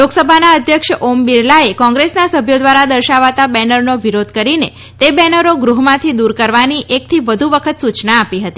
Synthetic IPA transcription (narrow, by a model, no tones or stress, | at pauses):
loksəbʱanaəd̪ʱjəkʃombiɾlaekɔ̃ŋɡɾesnasəbʱjod̪ʋaɾad̪əɾʃaʋat̪abɛnəɾnoʋiɾod̪̚ʱkəɾine | t̪ebɛnəɾoɡɾuɦmãt̪ʰid̪uɾkəɾʋaniʔek̚t̪ʰiʋəd̪ʱuʋəkʰət̪sut͡ʃnaːpiɦət̪i